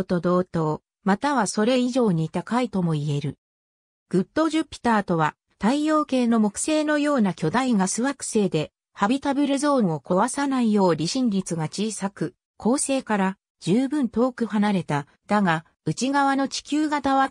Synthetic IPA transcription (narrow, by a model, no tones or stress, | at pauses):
t̪o̞d̪o̞ːt̪o̞ː | mat̪aβaso̞ɾe̞iʑo̞ːɲ̟it̪akait̪o̞mo̞ie̞ɾɯ̟ | ɡ̥ɯ̟t̪ːo̞ːʑɨpʲːi̥t̪aːt̪o̞βa | t̪aijo̞ːke̞ːno̞mo̞kɯ̟̥se̞ːno̞jo̞ːnakʲo̞d̪aiɡasɨβakɯ̟̥se̞ːd̪e̞ | habʲit̪abeɾɯzõ̞ːo̞ko̞βasanaijo̞ːɾʲiɕĩɲʲɾʲit͡sɨɡat͡ɕiːsakɯ̟ | kʰo̞ːse̞ːkaɾa | d͡ʑɨːbɯ̟̃nt̪o̞ːkɯ̟hanaɾe̞t̪a | d̪̥aɡa | ɯ̟t͡ɕiɡaβano̞t͡ɕi̥kʲɨːɡad̪aβa